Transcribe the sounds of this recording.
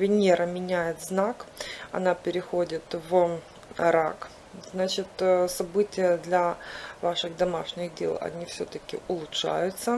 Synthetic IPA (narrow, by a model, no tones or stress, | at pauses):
vʲɪnʲeɾəmʲɪnʲæjɪt̪znakɐ̰napʲɪɾʲɪxodʲɪt̪v | ɾa̰k | znat͡ɕɪt̪sɐbɨtʲɪjəd̪lʲɐvaʂɨɣd̪ɐmaʂnʲɪɣdʲḛlˠɐ̰nʲifsʲɵ̰t̪əkʲɪ̰ʔʊlˠʊtʂa̰jʊt̪sə